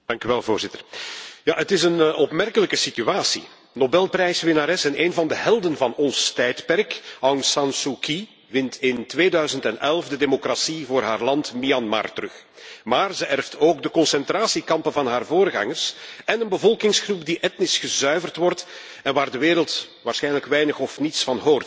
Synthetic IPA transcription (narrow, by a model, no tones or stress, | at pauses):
d̥ɑŋkyʋɛlˠvoːrzɪtərja̰ətɪsənɔpmɛrkələkəsityaːsḭ | nobɛlˠprɛjsʋɪnaːɾɛsɛneːnvɑndəɦɛlˠdənvɑnɔnstɛjtpɛrkawŋsɑnsuki | ʋɪntɪntʋeːdœɥzəntɛnɛlˠfdədeːmokrasivoːrɦa̰ːrlɑntmiɑnma̰rtərɵx | maːrzəʔɛrftʰoːɡdəkɔnsɛntraːsikɑmpənvɑnɦaːrvoːrɣɑ̰ŋərsɛnənbəvɔlˠkɪŋsxrup̚diʔɛtnɪsxəzœɥvərtʋɔrt | ɛnʋaːrdəʋeːɾəlˠt | ʋaːrsxɛjnələkʋɛjnəxɔfnitsfɑnɦoːrt